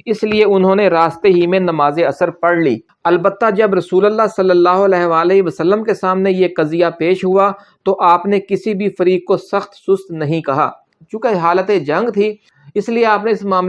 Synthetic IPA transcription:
ɪslieʊnɦõːneɾaːst̪eɦimẽnɐmaːzeɐsəɾpɐɽlḭː | ɐlbət̪ːad͡ʒɐbɾɐsuːləlːasɐlːəlːaːɦoɐlɛːɦʋaːleɦʋɐsəlːəmkesaːmnejeqɐzijapeːʃɦʊa | t̪oʔaːpnekɪsibʱifɐɾiːk̚kosɐxt̪sʊst̪nɐɦĩkɐɦa̰ː | t͡ʃũːkeɦaːlət̪ed͡ʒɐ̃ŋɡt̪ʰi | ɪslieaːpneɪsmaːm

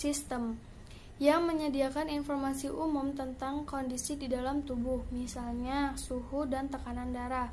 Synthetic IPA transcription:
sist̪əm | jaŋməɲədiakaninfɔrmasiʔumʊmt̪ənt̪aŋkondisididalamt̪ubʊhmisalɲasuhudant̪əkanandaɾah

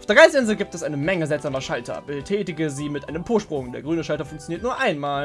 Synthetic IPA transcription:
aʊfeːɐɡaɪsɪnzl̩ɡiːp̚tɛsʔaɪnəmɛŋəzɛlz̥aːmɐʃaltʰɐ̰bətʰɛːtɪɡəziːmɪtʔaɪnəmpʰoːɐʃpʁ̥ʊŋdeːɐɡʁyːnəʃaltɐfʊŋk̚t͡sjoniːɐtnuːɐʔaɪnmaːl

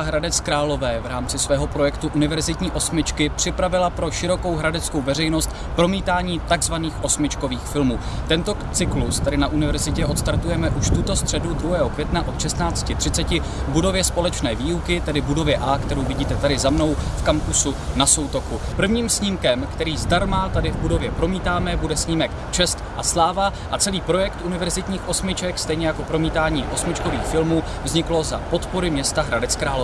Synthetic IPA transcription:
ɦɾadɛt͡skɾaːlo̞vɛːvɾaːmt͡sɪsvɛːɦo̞pɾo̞jɛkt̪uʔunɪvɛɾzɪt̪ɲiːʔo̞smɪt͡ʃkɪpr̝̥ɪpɾavɪlapɾo̞ʃɪɾo̞ko̞wɦɾadɛt͡skowvɛrɛjno̞st̪ | pɾo̞miːt̪aːɲiːt̪aɡzvaniːxʔo̞smɪt͡ʃko̞viːxfɪlmuː | t̪ɛnt̪o̞t͡sɪklust̪adɪnaʔunɪvɛɾzɪcɛʔo̞t̪st̪aɾt̪ujɛmɛʔuʃt̪ut̪o̞st̪r̥ɛdud̪ɾuɦɛːɦo̞kv̥ʲjɛt̪naʔo̞t̪ʃɛst̪naːt͡scɪt̪r̝̥ɪt͡sɛcɪ | vbudo̞vjɛspo̞lɛt͡ʃnɛːviːukɪt̪ɛdɪbudo̞vjɛʔaːkt̪ɛɾo̞wvɪɟiːt̪ɛt̪adɪzamno̞wfkamkusunasowt̪o̞kupr̩vɲiːmsɲiːmkɛmkt̪ɛɾiːzdaɾmat̪adɪvbudo̞vjɛpɾo̞miːt̪aːmɛbudɛsɲiːmɛk | t͡ʃɛst̪ʔaslaːvaʔat͡sɛliːpɾo̞jɛkt̪ʔunɪvɛɾzɪt̪ɲiːxʔo̞smɪt͡ʃɛkst̪ɛjɲɛjako̞pɾo̞miːt̪aːɲiːʔo̞smɪt͡ʃko̞viːxfɪlmuː | vzɲɪklo̞za̰po̞t̪po̞ɾɪmɲɛst̪aɦɾadɛt͡skɾaːlo

